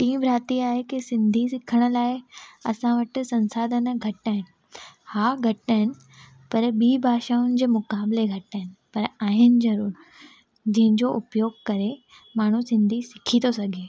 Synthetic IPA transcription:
ʈiːmbɾaːt̪iaːɦekisɪ̃nd̪ʱisɪkʰəɽ̃ʊ̆laːɪɐsãʋɐʈʊ̆sɐ̃nsaːd̪ʱənɡʱɐʈaːɦɪnɪ̆ | haːɡʱɐʈaːɦɪnɪ̆ | pɐɾɓiːbʱaːʃaːʊnɪ̆d͡ʑeːmʊkaːbleɡʱɐʈaːɦɪnɪ̆pɐɾaːɦɪnɪ̆zɐɾuːɾ | d͡ʑɐ̃ɦɪ̃ɲd͡ʑoʔʊpjoːɡ̚kɐɾe | maːɳ̤usɪ̃nd̪ʱisɪkʰit̪osɐɡʱeː

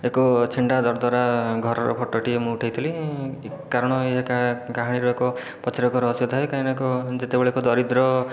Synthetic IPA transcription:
ekɔt͡ʃʰiɳɖad̪ɔɾd̪waɾaɡʱɔɾɔɾɔ̰pʰɔʈɔʈiemũuʈʰajt̪ʰili | kaɾɔɽ̃ɔeɦekakaɦaɽ̃iɾɔekɔ | pɔt͡ʃʰiɾɔkɔɾɔɦsit̪ʰaekainakɔd͡ʒet̪ebeɭeekɔd̪ɔɾid̪ɾɔ

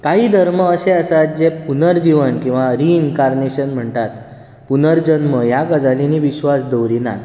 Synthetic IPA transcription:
kaɦiːd̪ʱəɾməəseəsat̪̚d͡ʑepunəɾd͡ʑiʋənkĩw̃ʋaɾiːnkaɾneɕənm̤əɳt̪at̪ | punəɾd͡ʑənməjakəd͡zaliniːʋiɕʋasd̪əwɾina̰

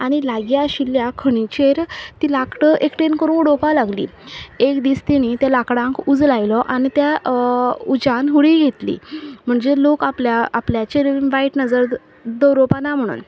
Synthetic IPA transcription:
aɽ̃ilaɡjaɕilːjakʰəɽ̃it͡ɕeɾt̪iːlakʈəʔekʈenkəɾũːnɽopalaɡlḭːekd̪iːst̪iñit̪jalakɽãŋkud͡zlajlɔʔañit̪ja | ud͡ʑãnɦuɽiɡʱet̪lḭːm̤əɳd͡zelokapljaːpljat͡ɕeɾʋaiʈnəd͡zəɾ | d̪əɾopanam̤əɽ̃ṵːn

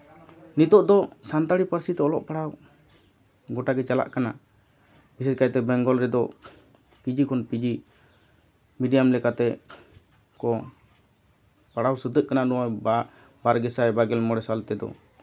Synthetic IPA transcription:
nit̪ɔʔd̪ɔsant̪aɽipaɾsit̪ɛɔlɔʔpaɽaw | ɡɔʈaɡɛt͡ʃala̰ʔkana̰ | bisɛd͡ʒkajt̪ɛbɛŋɡɔlɾɛd̪ɔ | kid͡ʒikʰɔnpid͡ʒi | miɖijamlɛkat̪ɛ | kɔ | paɽawsəd̪əʔkanadɔaba | baɾɡɛsajbaɡɛlmɔɽɛsalt̪ɛd̪ɔ̰

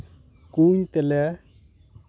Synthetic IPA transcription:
kuɲt̪elɛ

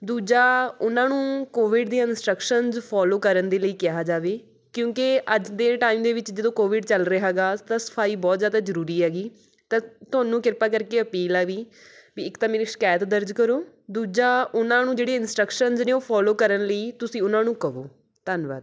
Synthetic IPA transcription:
d̪uːd͡ʒaːʊnãːnũːkoːʋɪɖd̪eːaɪnsʈɾəkʃənzpʰɔːloːkəɾənd̪eːləiːkɪɦaːd͡ʒaːʋeː | kjõːkeəd͡ʒd̪eːʈaːiːmd̪eːʋɪt͡ʃd͡ʒəd̪õːkoːʋɪɖt͡ʃəlɾəɦɛːɡaːt̪ãːsə̥pʰaːiːbɔːt̪zjaːd̪aːzəɾuːɾiːɦɛːɡiː | t̪ãːt̪ʊaːnũːkɪɾpaːkəɾkeːəpiːlaːʋiː | biːɪkt̪ãːmeːɾiːʃə̥kaːjət̪d̪əɾd͡ʒkəɾoː | d̪uːd͡ʒaːʊnãːnũːd͡ʒeːɽeːɪnsʈɾəkʃənznẽːoːpʰɔːloːkəɾənləiːt̪ʊsĩːʊnãːnũːkəɦo̰ː | t̪ənba̰ːd̪

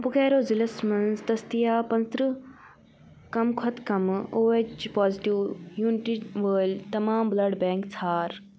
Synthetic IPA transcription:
bʊɡɛːɾoːzilɐsmɐnzt̪ɐst̪ijaːpɐ̃nt̪ɾɨ | kɐmkʰɐt̪kɐmoːet͡ʃpaːziʈiʋjuːnɪʈiʋəːlt̪ɐmaːmblɐɽbɛ̃ːŋkt͡sʰaːɾ

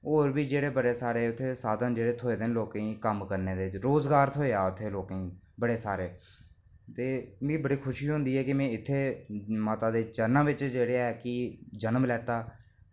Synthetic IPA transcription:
oːɾbiːd͡ʒeːɽeːbəɽeːsaːɾeːʊt̪ʰːeːsaːd̪ənd͡ʒeːɽeːt̪ʰoːeːd̪ɪnloːkĩːkəmkəɾneːd̪eːt͡ʃɾoːzɡaːɾt̪ʰoːeaːʊt̪ʰːeːloːkː | bəɽeːsaːɾeː | t̪eːmĩːbəɽiːkʰʊʃiːɦʊ̃nd̪iːɛːkɪmɛ̃ːɪt̪ʰːeːmaːt̪ãːd̪eːd͡ʒənãːʋɪt͡ʃd͡ʒeːɽeːaɛkɪd͡ʒənmlɛːt̪aː

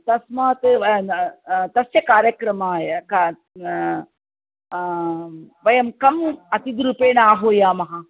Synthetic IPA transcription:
t̪ɐsmɐɦɐt̪ɨ | t̪ɐsjɐkaːɾjɐkɾɐmaːjɐka | ʋɐjɐmkɐmɐt̪id̪ɾupeːnaːɦoːjaːmɐɦa

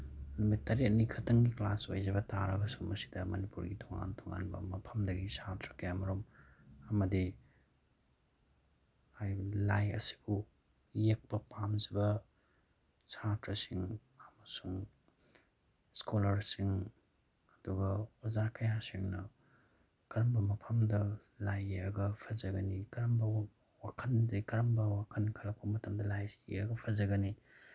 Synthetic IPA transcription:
numitːɐɾet̚nikʰɐtɐŋɡiklaso̰jzɐbɐtaɾɐɡɐsumɐsi̥dɐmɐnipuɾɡitʰoŋa̰ntʰoŋa̰nbɐ̰mɐpʰɐmdɐɡisatɾɐ̥kejamɐɾomɐmɐdi | hajlajɐ̰si̥bu | jek̚pɐpamzɐbɐ | satɾɐsiŋ | ɐmɐsuŋ | skʰolɐɾsiŋ | ɐduɡɐwɐzakɐjasiŋnɐ | kɐɾɐmbɐmɐpʰɐmdɐ | lajɐɡɐpʰɐzɐɡɐnikɐɾɐmbɐ | wakʰɐndikɐɾɐmbɐwakʰɐnkʰɐlɐk̚pɐmɐtʰɐmdɐlajsieɐɡɐpʰɐzɐɡɐni

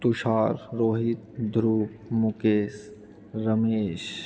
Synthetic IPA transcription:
t̪uʃaːɾɾoːɦɪt̪̚d̪ʱɾuːpmʊkeːs | ɾəmeːʃ

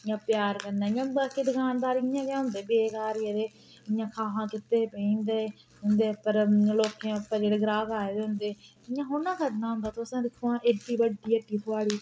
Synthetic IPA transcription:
ɪjãːpjaːɾkənãːɪjãːbaːkiːd̪ɪkaːnd̪aːɾɪãːkjaːɦʊ̃nd̪eːbeːkaːɾjəɾeː | ɪãːkʰaːɦãːkɪt̪ːeːpəĩːnd̪eː | ɦʊ̃nd̪eːpəɾloːkẽːpːãːd͡ʒeːɽeːɡɾaːɡaːed̪eɦʊ̃nd̪eː | ɪjãːɦʊnãːkəɾnãːɦʊ̃nd̪aːt̪oəsãːd̪ɪkʰːoãːʔeʈːiːbəɖiːeʈːiːt̪ʰʊaːɽiː

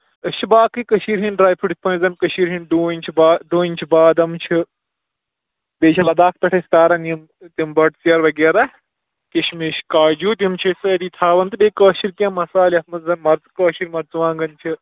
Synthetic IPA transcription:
ɨʃibaːkɨkɐʃiːɾɦinɖɾaːjpʰuɖsʰʲpɐ̃nzɐnʲkɐʃiːɾɦinɖuːnʲt͡ʃʰibaːɖoːnʲt͡ʃʰibaːd̪ɐmt͡ʃʰi | beːt͡ʃʰɐlɐd̪aːk̚ʰp̪ɐʈʰɐsʲt̪aːɾɐnjim | t̪imbɐʈsiɐɾʋɐɡeːɾa | kiʃmeʃkaːd͡ʒuːt̪imt͡ʃʰɐsɐd̪iːt̪ʰaːʋɐnt̪ɨbeːkɐːʃiɾkʲãːmɐsaːlɐt̪mɐzɐnmɐɾzkɐːʃiɾmɐɾt͡sʋãːŋɡɐnt͡ʃʰi

